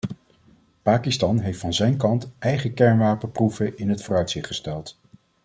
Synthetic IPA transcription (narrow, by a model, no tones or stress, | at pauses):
paːkistɑnɦejftfɑnzɛjnkɑntʔɛjχəkɛɹnʋaːpənpruvəʔɪnɦətfʊːrœɥtsɪχtχəstɛlˠt